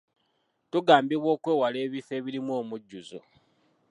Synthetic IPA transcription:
tuɡaːmbiβwo̞ːkwe̞ːwale̞ːβife̞ːβiɾimwoːmuɟːuzo̰

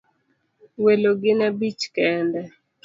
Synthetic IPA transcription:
weloɡɪnɛbit͡ʃkɛndɛ

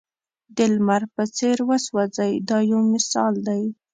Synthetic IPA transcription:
d̪ɪlmaɾpət͡seɾwəswɑd͡zajd̪ɑjawmɪsɑld̪aj

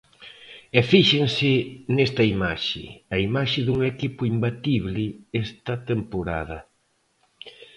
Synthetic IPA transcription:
ɛfiʃeŋsɪnest̪ɐimaʃɪ̰ɐimaʃɪðuŋekipʊimbat̪iβlɪest̪ɐt̪empoɾa̰ð̞ɐ

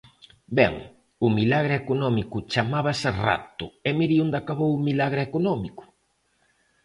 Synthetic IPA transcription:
bɛ̰ŋ | ʊmilaɣ̞ɾɪekonɔmikʊt͡ʃamaβasera̰t̪ʊɛmiɾiũnd̪akaβowmilaɣɾɪekonɔmikʊ̥

